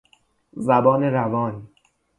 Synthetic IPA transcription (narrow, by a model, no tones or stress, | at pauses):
zæbɒːneɾævɒːn